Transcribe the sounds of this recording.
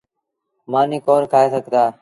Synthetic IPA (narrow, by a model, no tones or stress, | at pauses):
maːnĩːkoːɾkʰaːeːsəɡʱd̪aː